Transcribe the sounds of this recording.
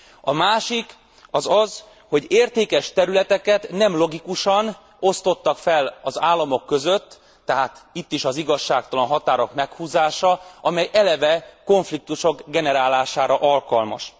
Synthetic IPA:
ɒmaːʃik | ɒzɒz | ho̞ɟeːrt̪eːkɛʃt̪ɛɾylɛt̪ɛkɛt̪nɛmlo̞ɡikuʃɒn | o̞st̪o̞t̪ːɒkfɛlɒzaːlːɒmo̞kːø̞zø̞t̪ː | ɛɦaːt̪it̪ːiʃɒziɡɒʃːaːk̚t̪ɒlɒnɦɒt̪aːɾo̞kmɛkhuːzaːʃɒʔɒmɛjɛlɛvɛko̞ɱflik̚t̪uʃo̞kɡɛnɛɾaːlaːʃaːɾɒʔɒlkɒlmɒ̰ʃ

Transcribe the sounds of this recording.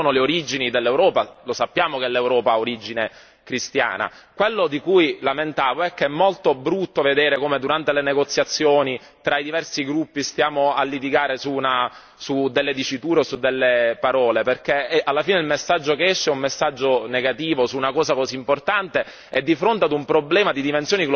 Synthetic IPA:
soːnoleoɾid͡ʒinid̪elːewɾɔːpalosapːjaːmokɛlːewɾɔːpaoɾid͡ʒine | kɾist̪ja̰ːna̰ | kwelːod̪ikujlament̪aːvoɛkːeɛmːolt̪obɾut̪ːoved̪eːɾekoːmed̪uɾant̪eleneɡot̪sːjat̪sːjoːni | t̪ɾaid̪ivɛrsiɡɾupːist̪jaːmoalːit̪̬iɡaːɾesuna | sud̪elːed̪it͡ʃit̪uːɾeosud̪ːelːepaɾɔːleperkeɛalːafiːneilmesːad͡ʒːokeɛʃːɛumːesːad͡ʒːoneɡat̪iːvosuːnakɔːzakoziːmport̪ant̪e | ɛd̪ːifɾont̪ead̪umpɾoblɛːmad̪id̪imensjoːnikl

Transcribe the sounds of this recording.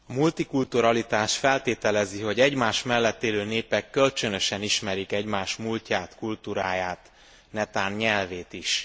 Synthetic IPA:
ɒmult̪ikult̪uɾɒlit̪aːʃfɛlt̪eːt̪ɛlɛziɦo̞ɟɛɟmaːʃmɛlːɛt̪ːeːløːneːpɛkːølt͡ʃønø̞ʃɛniʃmɛɾikɛɟmaːʃmulcaːt̪kult̪uɾaːjaːt̪ | nɛt̪aːnɲɛlveːt̪iʃ

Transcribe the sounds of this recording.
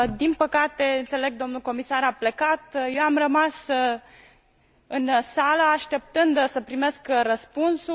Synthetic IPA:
d̪inpəkat̪e̞ɨnt̪se̞le̞ɡ̚d̪o̞mnulko̞misaɾaple̞kat̪je̞wamrəmas | ɨnsalaaʃt̪e̞p̚t̪ɨnd̪səpɾime̞skrəspunsu

